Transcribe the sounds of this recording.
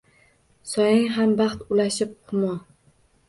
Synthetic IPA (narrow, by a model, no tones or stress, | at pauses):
sɒjɪŋɦambɑχt̪ʊlaʃɪp̚hʊmɒ